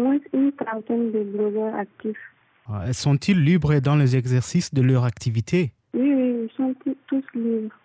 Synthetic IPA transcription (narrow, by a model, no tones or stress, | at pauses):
mwɛ̃synkãt̪ɛnd̪ebʁɔzɛak̚t̪if | asɔ̃t̪ʰilːibʁəd̪ɑ̃lezɛɡzɛʁsisd̪əlœʁakt̪ivit̪ʰe | wiwiilsɔ̃t̪it̪uslibʁ